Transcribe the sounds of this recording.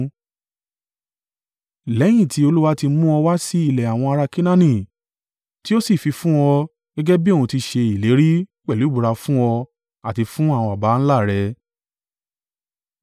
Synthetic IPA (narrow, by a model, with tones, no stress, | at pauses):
lɛ˨˦j̃ĩ˦˨ti˧˦o˧lu˦wa˦ti˧mũ˦ɔ˧wa˦si˦i˦˨lɛ˨a˨w̃ɔ̃˧a˧ɾa˧ki˦nã˦nĩ˦˨ | ti˦o˦si˦˨fi˧fũ˦ɔ˧ | ɡ̥ɛ˦ɡɛ˦bi˦o˦˨ũ˧ti˧ʃe˧i˨le˨˦ɾi˦k͡pɛ˦˨u˨˦ɡ͡bu˨˧ɾa˧fũ˦ɔ˧ | a˦˨ti˧fũ˦a˦˨wɔ̃˧a˨ba˨˦n̩˦la˦˨ɾɛ˧˦